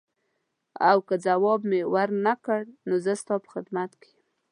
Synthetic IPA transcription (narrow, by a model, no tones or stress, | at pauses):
awkəd͡zawɑbmewaɾnakəɽnozəst̪ɑpə̥xɪd̪mat̪kejm